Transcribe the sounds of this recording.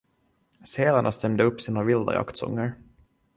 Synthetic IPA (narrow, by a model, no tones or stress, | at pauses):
seːlaɳʔast̪ɛmd̪əɵpːsiːnavɪld̪a̰ja̰kt̪sɔ̰ŋːəɾ